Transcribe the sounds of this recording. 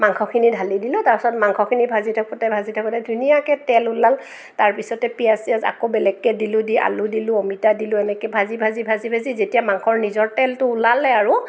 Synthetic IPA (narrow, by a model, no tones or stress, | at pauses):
maŋxʰɔkʰinidʱalidilʊ̃taɹpsɔtmaŋkʰɔkʰinibʱazitʰakɔtɛbʱazitʰakɔtɛdʱunijakɛtɛlʊlal | taɹpisɔtɛpiasiasa̰kobɛlɛɡːɛdilʊdiʔa̰lʊdilʊomitadilʊɛnɛkɛbʱazibʱazibʱazibʱazizetijamaŋkʰɔɹnizɔɹtɛltʊːlalɛaɹʊ